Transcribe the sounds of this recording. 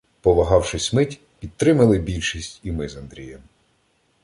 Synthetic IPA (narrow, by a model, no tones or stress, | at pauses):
pɔʋɐɦɑwʃɪsʲmɪtʲ | pʲid̪̚t̪ɾɪmɐlˠɪbʲilʲʃisʲtʲimɪzɐnd̪ɾʲḭjɛm